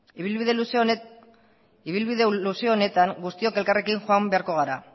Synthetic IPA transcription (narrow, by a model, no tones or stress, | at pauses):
iβilβiðe̞luse | iβ̞ilβiðeluseoone̞t̪aŋɡust̪io̞ke̞lkare̞kiŋxoambeaɾko̞ɣ̞aɾa̰